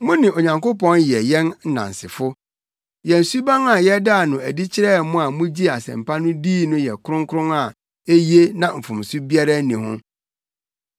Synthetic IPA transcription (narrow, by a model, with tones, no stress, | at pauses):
mʊ̃˦nɪ̃˨o˨ɲã˨ŋko˦pɔ̃˦njɛ˨jɛ̃˦nn̩˦nã̰˨n̩˨sɪ˨fʊ˦ | jɛ˨n̩˨su˦bã˦ŋa˨jɛ˦da˦a˨nʊ̃˨æ˨di˦t͡ɕʰɪ˦ɾɛː˦˨˦mʊ̃˦a˨mũ˦d͡ʑi˦a˨sɛ̰̃˨m˨pʰa˦nʊ̃˦diː˦nʊ̃˦jɛ˨kʰʊ˦ɾʊ̃˦ŋ˦kʰʊ˦ɾʊ̃˦ŋa˨ | e˦ji˦e˦nã˨m̩˨fʊ̃˨m˨su˦bi˦a˦ɾa˦nĩ˨ɦʊ̰̃˦